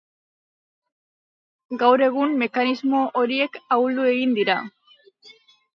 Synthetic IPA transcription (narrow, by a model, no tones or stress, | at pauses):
ɡawɾe̞ɣ̞umːe̞kanizmo̞ʔoɾie̞kauld̪ue̞ɣind̪iɾa